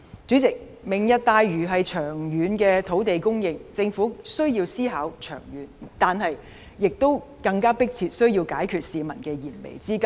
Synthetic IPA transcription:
t͡ʃyː˨˥t͡sɪ˨k̚ | mɪ˨ŋjɐ˥t̚t̪aː˧jɥyː˨˩ɦɐ˨jt͡ʃʰœː˨˩ŋjyː˨˥nkɛː˧t̪ʰo˨˥wt̪e˨jkʊ˥ŋjɪ˨˧ŋt͡sɪ˧ŋfuː˨˥sɵ˥ɥjiː˧wsiː˥ɦaː˨˥wt͡ʃʰœ̰ː˨˩ŋjyː˨˥nt̪aː˨nhɐ˨jː | ɪ˨k̚t̪o˥w | kɐ˧ŋkaː˥pɪ˥k̚t͡sʰiː˧t̚sɵ˥ɥjiː˧wkaː˨˥jkʰyː˨t̚siː˨˧mɐ̰˨˩nkɛː˧jiː˨˩nmḛ˨˩jt͡siː˥kɐ˥

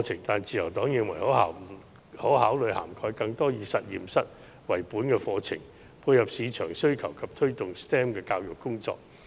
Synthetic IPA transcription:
t͡sʰɪ˨˩ŋt̪aː˨nt͡siː˨jɐ˨˩wt̪ɔː˨˥ŋjɪ˨ŋwɐ˨˩jhɔː˨˥ɦaː˨˩ | hɔ˨˥whaː˨˥wlɵ˨˧ɥha̰ː˨˩mkʰɔː˧jkɐ˧ŋt̪ɔː˥jiː˨˧sɐ˨t̚jiː˨˩msɐ˥t̚ | wɐ˨˩jpuː˨˥nkɛː˧fɔː˧t͡sʰɪ̰˨˩ŋ | pʰuː˧jhɐ˨p̚siː˨˧t͡ʃʰœː˨˩ŋsɵ˥ɥkʰɐ˨˩wkʰɐ˨p̚t̪ʰɵ˥ɥt̪ʊ˨ŋst̪ɛː˥mkɛː˧kaː˧wjʊ˨kːʊ˥ŋt͡sɔ̰ː˨k̚

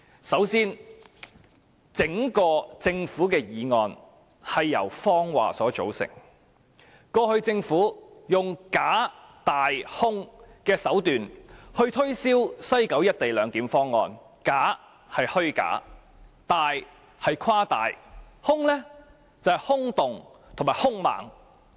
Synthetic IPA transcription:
sɐ˨˥wsiː˥n | t͡sɪ˨˥ŋkɔː˧t͡sɪ˧ŋfuː˨˥kɛː˧jiː˨˧ŋɔː˨˧n | hɐ˨jːɐ̰˨˩wfɔː˥ŋwa̰ː˨sɔː˨˥t͡so̰˨˥wsɪ̰˨˩ŋ | kɔː˧hɵ˧ɥt͡sɪ˧ŋfuː˨˥jʊ˨ŋkaː˨˥ | t̪aː˨jhʊ˥ŋkɛː˧sɐ˨˥wt̪yː˨nhɵ˧ɥt̪ʰɵ˥ɥsiː˥wsɐ˥jkɐ˨˥wjɐ˥t̚t̪e˨jlœː˨˥ŋkiː˨˥mfɔː˥ŋːɔː˧n | kaː˨˥ | hɐ˨jhɵ˥ɥka̰ː˨˥ | t̪aː˨j | hɐ˨jkʰwaː˥t̪aː˨j | hʊ˥ŋlɛː˥ | t͡sɐ˨whɐ˨˩jhʊ˥ŋt̪ʊ˨ŋ | t̪ʰŋmaː˨˩hʊ˥ŋma̰ː˨ŋ

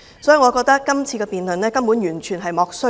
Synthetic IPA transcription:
sɔː˦˥ji˨ŋɔ˨˧kɔː˧k̚t̪ɐ˥kːɐ˥mt͡sʰiː˧kɛː˧piː˨nlɵ˨nlɛː˥kɐ˥mpuː˨˥njyː˨˩nt͡ʃʰyː˨˩nɦɐ˨jmɔː˨˧k̚sɵ˥

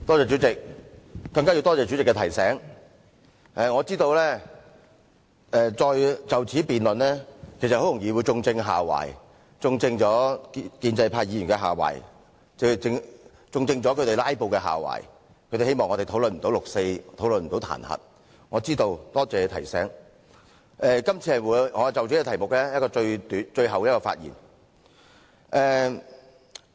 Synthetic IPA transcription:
t̪ɔː˥t͡sɛː˨˧t͡ʃy˨˥t͡sɪ˨k̚ː | ɐ˧ŋkaː˥ji˧wt̪ɔː˥t͡sɛː˨˧t͡ʃy˨˥t͡sɪ˨kːɛ˧tʰɐ˨˩jsɛː˨˥ŋ | ʔɛː˨˧ŋɔː˨˧t͡siː˥t̪o˧wlɛː˥ | ɛ˨˧t͡ʃɔː˧jt͡sɐ˨wt͡sʰiː˨˥piː˨nlɵ˨nlɛː˥kʰe˨˩sɐ˨ho˨˥wjʊ˨˩ŋjiː˨˧wu˨˧jt͡sʊ˧ŋt͡sɪ˧ŋɦa̰ː˨wa̰ː˨˩j | t͡sʊ˧ŋt͡sɪ˧ŋt͡ʃɔː˨˥kiː˧nt͡sɐ˧jpʰaː˧jiː˨˧˥y˨˩ŋkɛ˧ɦaː˨˩wɐ̰ː˨˩j | t͡sɪ˨˧ɪ˧ŋ | t͡sʊ˧ŋt͡sɪ˧ŋt͡ʃɔː˨˥kʰɵ˨˧˥t̪e˨˩laː˥jpo˨˧wkɛː˧ɦa̰ː˨˩wa̰ː˨˩j | kʰɵ˧ɥt̪e˨˩he˥jmɔː˨ŋɔ˨˧t̪e˨t̪ʰo˨˥wlɵ˨nm̩˨˩t̪o˧˥wlʊ˨k̚se˧jt̪ʰo˨˥wlnm̩˨˩t̪o˨˥wt̪ʰa̰ː˨˩nhɐ̰˨t̚ | ŋɔː˨˧t͡siː˥t̪o˧wt̪ɔː˥t͡sɛː˧t̪ʰɐ˨˩jsɛː˥ŋ | ʔɛː˧kɐ˥mt͡sʰiː˧hɐ˨jwuː˨˥jŋɔː˨˧t͡sɐ˨wt͡ʃy˨˥ɛ˥˧t̪ʰɐ˨˩jmʊ˨k̚lɛː˥jɐ˥t̚kɔː˧t͡ʃɵ˧ɥt̪yː˨˧˥nt͡ʃɵ˧ɥɦɐ˨wɛ˧˦˥kɔː˧fa̰ː˧t̚jḭ˨˩n | ʔɛː˨˧

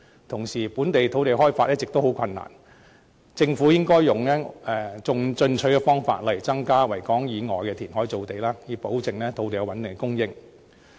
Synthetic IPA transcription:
t̪ʰʊ˨˩ŋsiː˨˩puː˨˥nt̪e˨jt̪ʰo˨˥wt̪e˨jɦɔː˥jfaː˧t̚ʔɛ˥t͡sɪ˨k̚t̪o˥who˨˥wkʰɐ˧nːa̰ː˨˩n | t͡sɪ˧ŋfuː˨˥jɪ˥ŋkɔː˥jːʊ˨˩ŋlɛː˥ɛː˧t͡sʊ˨ŋt͡sɵ˧nt͡ʃʰɵ˨˥ɥkɛ˧fɔː˥ŋfa̰ː˧t̚lɐ˨˩jt͡sɐ˥ŋkaː˥wɐ˨˩jkɔː˨˥ŋjiː˨˧ŋɔː˨˩jkɛ˧t̪ʰiː˨˩nɦɔː˨˥jt͡so˨wt̪e˨jlaː˥jiː˨˧po˨˥wt͡sɪ˨ŋlɛː˥t̪ʰo˨˧wt̪e˨jɐ˧wɐ˨˦nt̪ɪ˨ŋɡɛ˥kʊ˥ŋjɪ˥ŋ

